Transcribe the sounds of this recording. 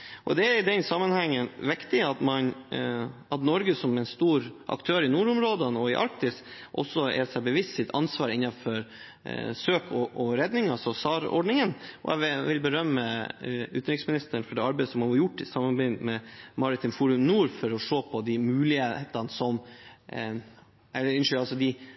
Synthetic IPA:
ʔɔ̰d̪ɛæɾɪd̪ɛnsɑmːənhɛŋːənʋɪkt̪ɪɑt̪mɑn | ɑt̪nɔɾɡəsɔmɛnst̪uːɾʔɑ̰kt̪ʰøːɾɪnuːɾɔmɾoːd̪ənɔɪʔɑ̰ɾk̚t̪ɪsʔɔ̰sːɔɛ̰sɛbəʋɪst̪sɪt̪ʰɑ̰nsʋɑːɾɪnːɑfɔɾ | søːkʰɔʔɔɾɛd̪nɪŋɑsɔsɑːɾɔ̰ɖɳɪŋənʔɔ̰ɛ̰ʋʋɪlbəɾœmːəʉːt̪nɾɪksmɪnɪst̪əɳ̩fɔɖɛɑɾbɛɪd̪əsɔmɑɑɾjʊʈːɪsɑmːɑbæɪmɛmɑɾɪt̪ɪnfuːɾʉmnuːɾfɔɾɔʂoːpʰɔd̪ɪmʉːlɪheeːt̪ɑnsɔm | ɛlːəɾɪnʂʏɑlsɔd̪ɪ

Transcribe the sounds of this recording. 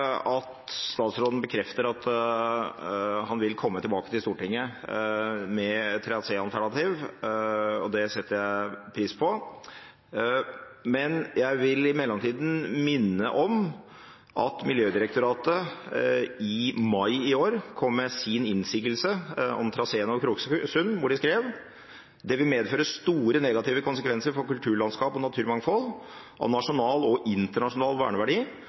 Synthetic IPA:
ɑt̪st̪ɑːt̪sɾoːd̪n̩bəkʰɾɛft̪əɾɑt̪ | hɑnʋɪlkʰɔmːət̪ʰɪlbɑːkət̪ɪlst̪uːʈɪŋːə | mɛt̪ʰːɾɛɑt̪seːɑlt̪ʰæɳɑt̪iːʋ | ɔd̪ɛsɛt̪ːəjæɪpʰɾiːspʰɔ | mɛnjæɪʋɪlɪmɛlːɔmt̪ʰiːd̪n̩mɪnːəʔɔm | ʔɑ̰t̪mɪljøːd̪ɪɾəkt̪ʊɾɑːt̪ə | ɪmɑɪɪoːɾkʰɔmːɛsɪnɪnsiːɡəlsəɔ̰mt̪ʰɾɑseːənɔkʰɾuːkssʉnʋʊɖɪskɾeːʋ | d̪ɛʋɪlmeːd̪føːɾəst̪uːɾənɛɡɑt̪iːʋəkʊnsəkʰʋɛnsəɾfɔɾkʉlt̪ʰʉːɭɑnskɑːpɔnɑt̪ʰʉːɾmɑŋːfɔl | ʔɔ̰nɑʂʊnɑːlɔʔɪnt̪əɳɑʂʊnɑːlʋæ̰ːɳəʋæɖiː

